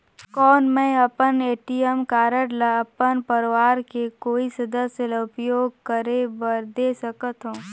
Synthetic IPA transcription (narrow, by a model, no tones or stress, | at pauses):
kɔːnmɛ̃ːɐpəneːʈijəmkaːɾəɽlaɐpənpəɾʋaːɾkekoːisɐd̪əsjəlaʊpjoːɡ̚kəɾebəɾd̪eːsɐkət̪ɦũː